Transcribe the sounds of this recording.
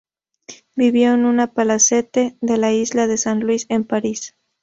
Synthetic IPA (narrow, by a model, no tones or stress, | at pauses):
biβjo̞enunapalase̞t̪e̞ðe̞laizlaðe̞sanlwise̞mpaɾis